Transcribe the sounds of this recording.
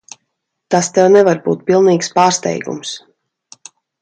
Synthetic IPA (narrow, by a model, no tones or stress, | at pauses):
t̪ast̪ɛwnɛvaɾbuːt̪̚pilˠniːkspaːɾst̪ɛ̰jɡṵms